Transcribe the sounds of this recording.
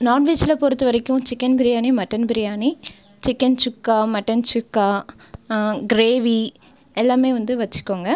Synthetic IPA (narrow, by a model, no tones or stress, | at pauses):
naːʈʋet͡ʃɪlɐpɔɾɯt̪ːɯʋɐɾɐkːʊ̃t͡ʃɪkːɐnbɪɾɪjaːnimɐʈːɐnbɪɾɪjaːni | t͡ʃɪkːɐnt͡ʃʊkːaːmɐʈːɐnt͡ʃʊkːaː | ɡɪɾeːʋi | ɛlːaːmeːʋɐnd̪ɯʋɐt͡ʃːɯ̥kːoːŋɡɐ